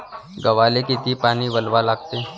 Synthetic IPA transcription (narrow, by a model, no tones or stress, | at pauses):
ɡɐʋaːlekit̪ipaːniʋəlʋalaːɡ̚t̪eː